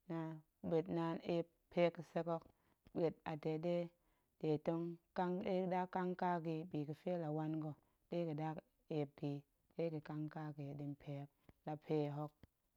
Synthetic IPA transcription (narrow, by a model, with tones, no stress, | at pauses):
na˨ | ɓe˨tna˧˦ne˦p | pːʰe˦kːi˨se˦ko˦k | ɓe˨t̚a˨te˨ɗe˦ | de˨to˦ŋka˦ŋe˦˨˦da˦kːa˦ŋka˦ki˧ɓiː˨ki˨fe˦la˨wa˦nɡo˨ | ɗe˦ki˨da˦k | e˨p̚ki˨ | ɗe˦ki˨ka˦ŋka˦ki˨ɗi˨npʰe˨˦k̚la˨pʰe˦˨ɦo˦k̚